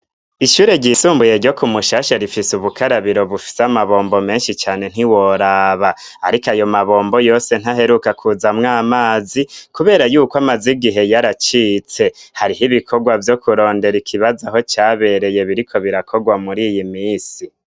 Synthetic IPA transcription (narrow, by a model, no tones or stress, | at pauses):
iʃuːɾe̞ɟisuːmbuje̞ɾɟo̞kumuʃaʃaɾifisuβukʰaɾaβiɾo̞βufi̥seamaβo̞ːmbo̞me̞ːnʃit͡ʃaːne̞n̥iwo̞ɾaβa | aɾikajo̞maβo̞ːmbo̞jo̞ːse̞n̥haɦe̞ɾukakʰuzamŋaːmaːzikuβe̞ːɾajuːkwamaziɡiɦe̞jaɾat͡ʃiːt͡se̞haɾiɦiβikʰo̞ɡwavjo̞kuɾo̞ːnde̞ɾikʰiβazaɦo̞t͡ʃaːβe̞ɾe̞je̞βiɾikʰo̞βiɾakʰo̞ɡwamuɾijimiːsi